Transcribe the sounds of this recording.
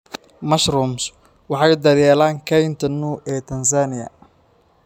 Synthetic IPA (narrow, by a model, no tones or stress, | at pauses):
mɐʃrums | wɑħɑjd̪ɐðjɛːlaːŋkʰɛjnt̪ʰɐnuːʔɛːt̪ʰɐnsaːnɪjɐ̰